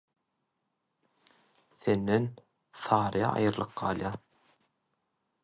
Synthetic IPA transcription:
θe̞nːen | θɑːɾɯjɑ̰ʔɑ̰jɯɾlˠɯqɢɑ̰ːlˠjɑː

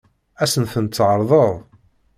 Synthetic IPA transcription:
æsənθənt̪t͡sːʕəɾˤðˤəðˤ

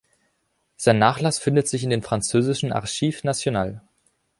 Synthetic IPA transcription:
z̥aɪnːaːχlasfɪndətz̥ɪçɪndeːnfʁ̥ant͡søːzɪʃn̩ʔa̰ʁʃiːfnat͡sjonaːl

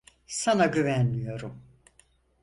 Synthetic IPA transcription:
sanaɟyvænmijo̞ɾum

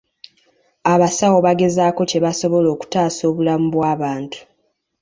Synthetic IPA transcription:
aβasawo̞βaɡe̞zaːko̞ce̞βaso̞βo̞lo̞ːku̥taːso̞ːβulamubwaːβaːntu̥

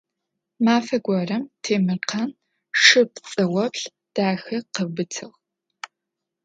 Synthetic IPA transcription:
maːfɐɡʷɔrɐmtʰeːmɨrqʰɐn | ʂɨpt͡sʼɐwɐpɬ | d̥aːxɐqəbɨtʰɨʁ

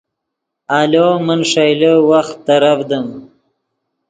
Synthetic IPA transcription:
alomənʂajləwaxt̪ːaɾafd̪əm

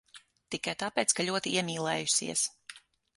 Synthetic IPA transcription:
t̪ikajt̪apɛːt̪skalʲuɔt̪iiɛmʲiːlˠɛːjusḭɛs

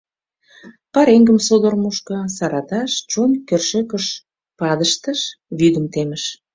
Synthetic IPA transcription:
pɑɾeŋɡə̆msod̪ormoʃkɤ̆sɑɾɑt̪ɑʃt͡ʃonkørʃøkə̆ʃ | pɑd̪əʃt̪əʃβyd̪ə̆mt̪emə̆ʃ

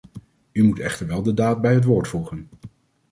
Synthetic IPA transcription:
ymutɛ̰χtəɹʋɛlˠdədaːt̚bɛjɦət̬ʋoːɹtfuχən

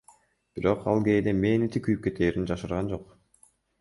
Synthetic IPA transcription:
b̥iɾo̞qɑlˠɡe̞ːd̪emeːnit̪ikyjyp̚ke̞t̪ʰeːɾind͡ʒɑʃɯɾʁɑnd͡ʒo̞q

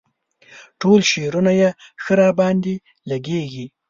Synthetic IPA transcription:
ʈolʃeɾunajexəɾɑbɑnd̪i | laɡeɡi

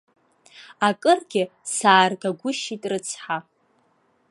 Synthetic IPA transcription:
akʼɨrɡʲɪsaːrɡaɡʷʊʃitʼrɨt͡sʰħa

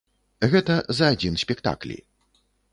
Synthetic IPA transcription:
ɣɛt̪ɐzɐːd͡zʲinsʲpʲɛkt̪a̰klʲḭ

